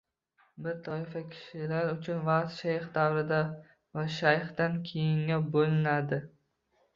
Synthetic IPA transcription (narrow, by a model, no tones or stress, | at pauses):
bɪɾt̪ʰɒɪfakʲʰɪ̥ʃɪlaɾʊt͡ʃʰʊnvaqt̪ʃajχd̪awɾɪd̪a | vaʃajχd̪ankʲʰejɪŋabolɪnad̪ɪ